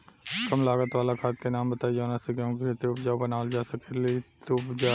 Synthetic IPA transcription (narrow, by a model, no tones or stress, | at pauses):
kəmlaːɡət̪ʋaːlakʰaːt̪kenaːmbət̪aːid͡ʒaːnaseɡãket̪eʊpd͡ʒaːbənaːld͡ʒaːsəkelit̪opd͡ʒaː